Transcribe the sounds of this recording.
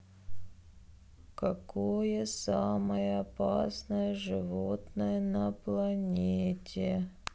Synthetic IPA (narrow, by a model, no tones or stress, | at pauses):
kɐkojəsaməjəɐpasnəjəʐɨvot̪nəjənəplˠɐnʲetʲʰe